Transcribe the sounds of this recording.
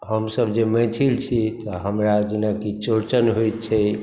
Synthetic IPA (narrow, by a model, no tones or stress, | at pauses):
həmsəbd͡ʒemɛ̃t̪ʰilt͡ʃʰit̪ɔɦəmɾad͡ʒinakit͡ʃoɾt͡ʃənɦojt̪t͡ʃʰɛ